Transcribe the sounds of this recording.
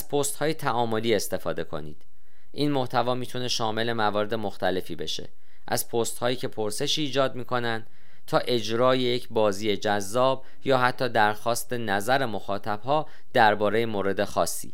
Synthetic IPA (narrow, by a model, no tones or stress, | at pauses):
ʔæz̥pʰost̪hɒːjet̪ʰæʔɒːmo̞liːe̞st̪e̞fɒːd̪e̞kʰo̞̰nḭːd̪̥ | ʔiːnmo̞ht̪ʰævɒːmiːt̪ʰune̞ʃɒːme̞le̞mævɒːɾe̞d̪e̞mo̞xt̪æle̞fiːbe̞ʃḛ | ʔæ̰z̥pʰoːst̪hɒːjiːcʰe̞pʰoɾse̞ʃiːd͡ʒɒːd̪miːkʰo̞nænd̪ | t̪ʰɒːʔe̞d͡ʒɾɒːjejecʰbɒːziːje̞d͡ʒæzːɒːb̚ | jɒːhæt̪ʰːɒːd̪æɾxɒːst̪e̞næzæɾe̞mo̞xɒːt̪ʰæb̥ɦɒː | d̪̥æɾbɒːɾe̞jemoːɾe̞d̪e̞xɒːsːḭː